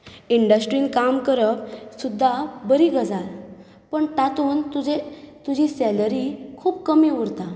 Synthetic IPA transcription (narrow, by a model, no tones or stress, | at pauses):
iɳɖəsʈɾiːnkamkəɾəp̚sud̪ʱːabəɾiːɡəd͡zal | pəɳʈat̪uːnt̪ud͡ʑet̪ud͡ʑisɛləɾikʰuːp̚kəmiuɾt̪a